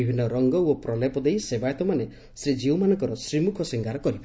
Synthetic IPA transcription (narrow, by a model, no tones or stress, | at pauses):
ibʱinːɔɾɔŋɡɔwopɾɔlepɔd̪ejsebajt̪ɔmane | sid͡ʒiwmanɔŋkɔɾɔsɾimukʰɔsiŋɡaɾɔkɔɾi